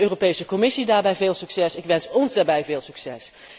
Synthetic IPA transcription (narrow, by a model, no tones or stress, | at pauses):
øːropejsəkɔmɪsidaːɹbɛjveːlˠsyksɛsɪkʋɛnsɔnzdaːɹbɛjveːlˠsyksɛs